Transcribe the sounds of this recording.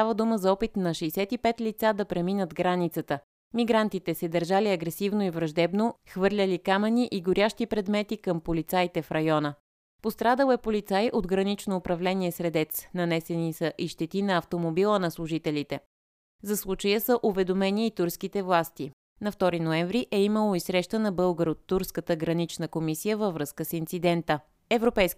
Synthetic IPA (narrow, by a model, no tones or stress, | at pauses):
st̪avəd̪uməzɐɔpit̪nɐʃɛsɛt̪ipɛt̪lit̪sad̪ɐpɾɛminəd̪ɡɾanit̪sət̪ə | miɡɾant̪it̪ɛsɛd̪əɾʒaliɐɡɾɛsivnoivɾɐʒd̪ɛbnoxvɤɾlʲəlikamɛniʔiɡoɾʲjaʃt̪ipɾɛd̪mɛt̪ikəmpolit̪sajt̪ɛfɾɐjɔnə | post̪ɾad̪əlˠɛpolit̪sajʔod̪ɡɾɐnit͡ʃnoːpɾɐvlɛniɛsɾɛd̪ɛt̪snɐnɛsɛnisəʔiʃt̪ɛt̪inɐːft̪omobilˠənɐslˠuʒit̪ɛlʲit̪ɛ | zɐslˠut͡ʃəjəsəʔʊvɛd̪omɛniːt̪uɾskit̪ɛvlˠast̪i | nɐft̪ɔɾinoɛɱvɾiʔɛiməlˠoisɾɛʃt̪ənɐbɤlˠɡəɾot̪ːuɾskət̪əɡɾɐnit͡ʃnəkomisijəvəvɾɤskəsint̪sid̪ɛnt̪ə | ɛvɾopɛjsk